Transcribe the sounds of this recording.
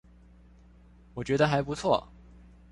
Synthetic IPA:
wɔ˨˩t͡ɕɥɛ˧˥d̪ə˧xa˧˥ɪpu˧˥t͡sʰwɔ˥˩

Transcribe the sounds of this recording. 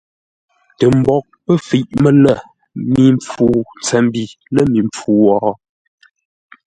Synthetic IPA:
tə˨m̩˨bɔ˦˨k̚pə˦fi˨ʔmə˨lə˦˨ | mi˨˦ɱp͡fuː˦n˨t͡sɛ˨˦m˦bi˨ | lə˦mi˨ɱp͡fuː˨˦wɔː˨˦

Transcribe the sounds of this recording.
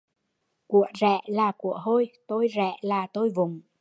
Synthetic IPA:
ku˧˨əzɛ̰˧˩˨laː˨˩ku˧˩˨əɦo˧jt̪o˧jzɛ̰˧˨laː˨˩t̪o˧jvʊ˨˩ŋ͡m

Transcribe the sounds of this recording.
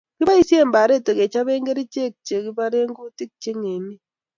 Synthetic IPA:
ki˦ba˦i˦sje˦˨mba˨ɾe˦˨te˨ke˨t͡ʃa˦be˦ŋɡe˦ɾi˦t͡ʃe˦˨k̚t͡ʃe˨ki˦ba˦ɾe˦ŋɡo˦ti˦k̚t͡ʃe˦ŋe˨ni˦

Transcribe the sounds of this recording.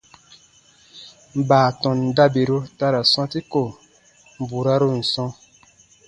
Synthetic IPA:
m̩˨baː˨tɔ̃˨n˨da˦be˨ɾo˦ta˧ɾa˨sɔ̃˦ti˦ko˨ | m̩˨bu˨ɾa˦ɾo˦n̩˨sɔ̃˧

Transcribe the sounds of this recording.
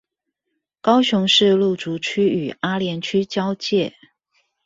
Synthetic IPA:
kɑ˥ʊɕʊ˧˥ŋʂɻ̩˥˧lu˥˩t͡su˧˥t͡ɕʰy˥y˨˩a˥ljɛ˧˥nt͡ɕʰy˥t͡ɕjɑ˥ʊt͡ɕjɛ˥˩

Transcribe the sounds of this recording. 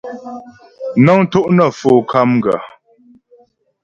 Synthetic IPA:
na˦ŋto˦ʔnə˨fo˨kʰa˦mɡa̰˨

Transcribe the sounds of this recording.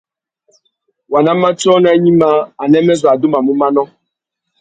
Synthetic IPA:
wa˨na˦ma˦t͡ʃɔ˦na˦ɲi˦ma˦a˨nɛ˦mɛ˦za˨du˦ma˨mu˦ma˦nɔ˦

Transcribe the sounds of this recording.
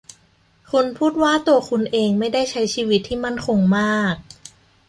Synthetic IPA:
kʰu˧npʰuː˥˩t̪̚waː˥˩t̪u˧ɐkʰu˧nʔeː˧ŋma˥˩jda˥˩jt͡ɕʰa˦˥jt͡ɕʰiː˧˩wi˦˥t̪ʰːiː˥˩ma˥˩nkʰo˧ŋmaː˥˩k̚

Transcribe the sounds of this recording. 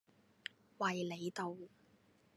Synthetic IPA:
wɐ˨jle˨˧jt̪o˨˧w

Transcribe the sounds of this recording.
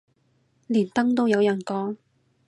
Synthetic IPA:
liː˨˩nt̪ɐ˥ŋt̪o˥wjɐ˨˧wjɐ˨˩nkɔː˨˥ŋ

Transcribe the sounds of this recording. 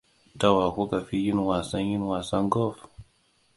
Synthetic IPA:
ta˦wa˨ku˦ka˨fi˦ji˦n˨wa˨sa˦ɲi˦n˨wa˨sa˦ŋɡɔ˦f

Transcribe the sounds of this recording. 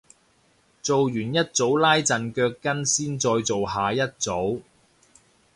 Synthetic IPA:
t͡so˨wjyː˨˩njɐ˥t̚t͡so˨˥wlaː˥jt͡sɐ˨˩nkœː˧kːɐ˥nsiː˥nt͡ʃɔː˧jt͡so˨wɦaː˨jɐ˥t̚t͡so˨˥w

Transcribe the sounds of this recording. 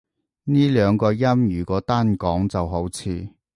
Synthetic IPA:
niː˥lœː˨˧ŋkɔː˧jɐ˥mjyː˨˩kɔː˨˥t̪aː˥nkɔː˨˥ŋt͡sɐ˨wɦo˨˥wt͡sʰiː˧

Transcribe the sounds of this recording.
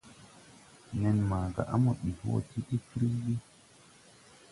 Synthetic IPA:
nɛ˨nmaː˨ɡa̰˨ʔa˦mɔ˨ɓi˨ho̰ː˦ti˦ɗi˦kɾi˦wi˦

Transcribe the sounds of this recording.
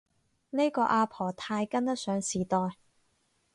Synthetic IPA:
ne˥jkɔː˧ʔaː˧pʰɔː˨˩t̪ʰaː˧jkɐ˥nt̪ɐ˥t̚sœː˨˥ŋsiː˨˩t̪ɔː˨j

